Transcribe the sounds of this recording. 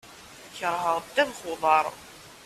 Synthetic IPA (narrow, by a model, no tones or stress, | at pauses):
çəɾˤɦəʁəd̪æðχʊðˤɑɾˤ